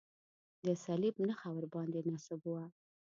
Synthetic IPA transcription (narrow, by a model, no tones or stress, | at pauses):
d̪əsalibnəxawəɾbɑnd̪enɑsɪbuwa